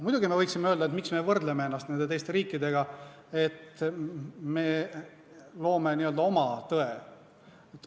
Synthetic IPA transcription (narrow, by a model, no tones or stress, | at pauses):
mujd̪̥uɡime̞vɤjksimeø̞ld̪ɑet̪miksme̞vɤrd̪lemee̞nːɑst̪ned̪eejst̪e̞ɾiːkːˑid̪e̞ɡ̥ɑ | e̞t̪ | me̞ː | lo̞ːme̞niø̞ld̪ɑo̞mɑt̪ɤe | et̪ː